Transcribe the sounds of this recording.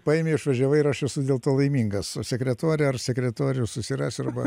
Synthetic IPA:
pɑeɪmʲeɪʃʋɐʒʲɛʋɐɪɪɾɐʃɛsʊd̪ʲeːlˠt̪oːlˠɐɪmʲiːŋɡɐsosʲɛkɾʲɛt̪oɾʲɛɐrsʲɛkɾʲɛt̪oɔɾʲɪjʊsʊsʲɪɾɑːsʲʊɐɾbɐ

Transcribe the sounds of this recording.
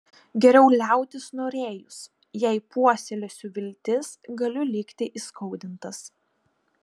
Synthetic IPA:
ɡʲɛɾʲɛʊlʲæˑʊt̪ʲɪsnoːɾʲeːjʊs | jɛɪpuɔsʲɛlʲosʲʊʋʲɪlʲt̪ʲɪsɡɐlʲʊlʲɪkt̪ʲɪʔiːskʰɐʊd̪ʲɪnt̪ɐs

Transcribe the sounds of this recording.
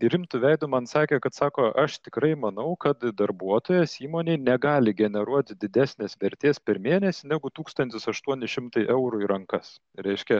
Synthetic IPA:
ɾʲɪmt̪ʊʋʲɛɪd̪ʊmɐnsɑːkʲeːkɐt̪sɑːkoːʔɐʃt̪ʲɪkɾɐɪmɐnɐʊkɐt̪d̪ɐɾbuɔt̪oːjɛsiːmoːnʲeɪnʲɛɡɑːlʲɪɡʲɛnʲɛɾuɔt̪ʲd̪ʲɪd̪ʲæːsʲnʲeːsʋʲɛɾʲt̪ʲeːspʲɛɾmʲeːnʲɛsʲɪnʲæɡʊt̪uːkst̪ɐnt̪ʲɪsɐʃt̪uɔnʲɪʃʲɪmt̪ɐɪʔɛʊɾʊiɾɐŋkɐs | ɾʲɛɪʃʲkʲɛ

